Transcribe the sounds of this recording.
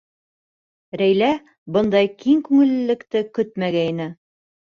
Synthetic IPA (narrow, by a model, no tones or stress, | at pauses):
ɾæjlæ | bɤnd̪ɑjkiŋkʉŋɘ̆lːɘ̆lːɘ̆kt̪ɘkɵt̪̚mæɡæinɘ